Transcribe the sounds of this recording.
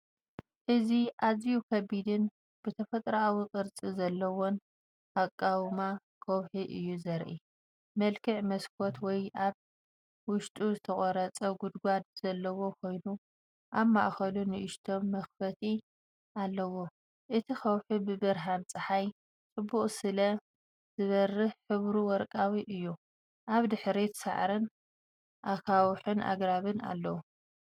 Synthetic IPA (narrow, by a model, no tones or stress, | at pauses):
ʔɨziʔazijukʰɐbid̪ɨn | b̥ɨt̪ʰɐfɐt̪ʼɾaʔawikʼɨɾt͡sʼizɐlːɐwo̞n | akʼːawma | kʰɐwħiʔɨjːuzɐɾʔi | mɐlkʰɨʕmɐskʰo̞t̪wɔjʔaβ | wʊʃt̪ʼuzɨt̪ʰɐkʼɔɾɐt͡sʼɐɡud̪ɡʷad̪z̥ɐlːɐwo̞kʰo̞jnu | ʔaβmaʔxɐlunɨʔɪʃt̪ʰo̞mːɐxfɐt̪ʰi | ʔalːɐwo̞ | ʔɨt̪ʰixɐwħubɨbɨɾɦant͡sʼɨħaj | t͡sʼɨbːuχʼsɨlɐ | z̥ɨβɐrːɨhħɨβɾuwɔɾkʼawiʔɨjːu | ʔaβd̪ɨħɾit̪sa̰ʕɾɨn | ʔakʰawħɨnʔa̰ɡɾaβɨna̰lːɐwu